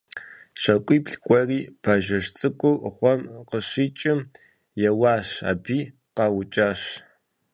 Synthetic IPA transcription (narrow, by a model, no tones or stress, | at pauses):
ʂɐkʷʼiːpɬkʷʼɔriːpʰaʒɐʂt͡sʼɨkʷʼʊʔχʷɔmqəɕiːt͡ʃʼɪm | jɛwɑːɕa̰ːbiː | qɑwʊt͡ʃʼaːɕ